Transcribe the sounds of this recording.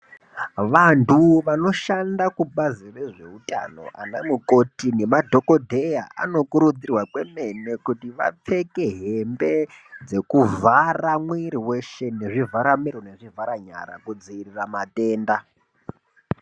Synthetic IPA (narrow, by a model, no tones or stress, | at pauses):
ʋantʰuʋano̞ʃandakuɓazire̞ʐe̞̰uta̰no̞̰ʔa̰namuko̞tine̞madʱo̞ko̞dʱejaʔa̰no̞kuɾud͡zirwakwe̞me̞ne̞kutiʋa̰p͡fe̞ke̞ɦe̞mbe̞d͡ze̞kuvaramwiɾiwe̞ʃe̞ne̞ʐivaɾamiɾone̞ʐivaɾaɲa̰ɾa̰kud͡ziiriramatʼe̞ːnda